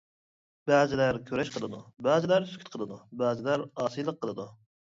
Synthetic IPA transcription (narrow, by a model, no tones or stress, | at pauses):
b̥æːzɪlæɾkʲʰøɾɛʃqʰəlˠɨd̪ubɛːzɪlæɾsy̥kʲʰyt̪̚qʰəlˠɨd̪ubæːzɪlæɾɑːsɨjlˠəqʰːəlˠɨd̪u